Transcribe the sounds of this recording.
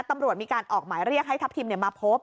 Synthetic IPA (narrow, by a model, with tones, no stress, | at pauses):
t̪ːa˧mɾu˨˩ət̪̚miː˧kaː˧nʔɔː˨˩k̚maː˩˦jɾi˥˩ək̚ɦa˥˩jt̪ʰa˦˥pt̪ʰiː˧mni˥˩əmaː˧pʰoː˦˥p̚